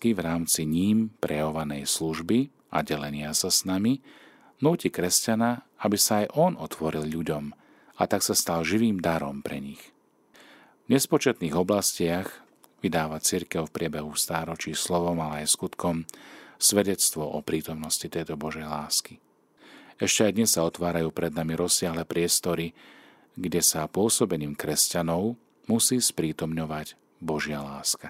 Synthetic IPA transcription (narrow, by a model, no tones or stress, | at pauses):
kivɾaːmt͡siɲiːmpɾʔɛjaɔʋanɛjsluʒbi | ʔa̰ɟɛlɛɲɪasasnami | nuːcikɾɛscana | abisaːjʔɔnɔt̪ʰʋɔɾilʎuɟɔm | a̰t̪aksast̪alʒiʋiːmd̪aɾɔ̰mpɾɛɲix | vɲɛspɔt͡ʃɛt̪niːɣɔblascɪaɣ | ʋid̪aːʋat͡siɾkɛʊfpɾɪɛbɛɦufst̪aːɾɔt͡ʃiːslɔʋɔmalɛajskut̪kɔmsʋɛɟɛt͡st̪ʋɔʔɔpɾiːt̪ɔmnɔscit̪ɛjt̪ɔbɔʒɛjlaːski | ɛʃcɛajd̪ɲɛsːaɔt̪ʋaːɾajuːpɾɛd̪namiɾɔsːɪaɦlɛːpɾɪɛst̪ɔɾi | ɡɟɛsapʊɔsɔbɛniːmkɾɛscanɔʊ | musiːspɾiːt̪ɔmɲɔʋaɟ | bɔʒɪalaːska